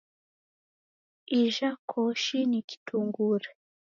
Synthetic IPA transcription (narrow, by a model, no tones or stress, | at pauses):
iʒakʰɔʃiniki̥tʰuŋɡuɾe